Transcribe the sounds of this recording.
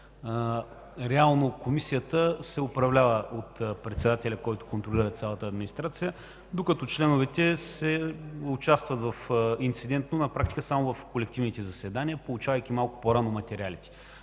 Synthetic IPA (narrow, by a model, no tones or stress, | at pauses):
ɾɛalˠnokomisijət̪əsɛʊpɾɐvlʲavəʔot̪pɾɛt̪sɛd̪at̪ɛlʲɐkɔjt̪ʊ̥kont̪ɾolʲiɾət̪sʲalˠət̪əːd̪minist̪ɾat̪sijə | d̪okɐt̪ɔt͡ʃlɛnʊvɛt̪ɛsɛʊt͡ʃast̪vɐt̪vɐfint̪sid̪ɛnt̪nonɐpɾak̚t̪i̥kəsamʊvɐfkolɛk̚t̪ivnit̪ɛzɐsɛd̪aniəpolˠut͡ʃavəjk̟imalˠkʊ̥poɾanomɐt̪ɛɾialit̪ɛ̥